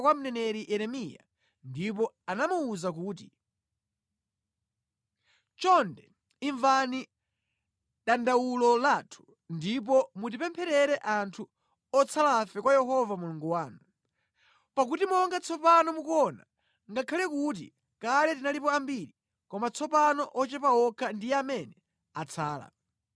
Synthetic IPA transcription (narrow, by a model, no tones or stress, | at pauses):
kwam̩nɛnɛɾiʔɛɾɛmija̰ | ndip̬ɔ | anamuːzak̬uːti | t͡ʃɔndɛ | iɱvani | ɗandawulɔlaːtʰu̥ | ndip̬ɔmut̬ipɛmpʰɛɾɛɾɛʔantʰu | ɔt͡sʰalafɛkwajɛɦɔvamulɔŋɡuwaːnu | pak̬utimɔŋɡat͡sʰɔpanɔmukɔna̰ | ŋɡakʰalɛkut̬ḭ | kalɛtinalipɔambiɾi | kɔmat͡sʰɔpanɔʔɔt͡ʃɛpaɔkʰandijɛamɛnɛ | at͡sʰaːla̰